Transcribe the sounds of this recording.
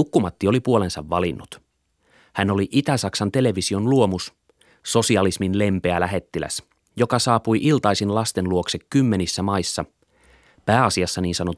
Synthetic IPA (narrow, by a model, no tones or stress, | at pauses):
ukːumɑt̪ːio̞lipuo̞le̞nsɑʋːɑlinːut̪ | hænoliʔit̪æsɑksɑnt̪e̞le̞ʋisio̞nluo̞mus | so̞siɑlisminle̞mpe̞ælæɦe̞t̪ːilæ̰s | jo̞kɑsɑːpujʔilt̪ɑisinlɑst̪enluoksekkymːe̞nisːæmɑisːɑ | pæːɑsiɑsːɑniːnsɑno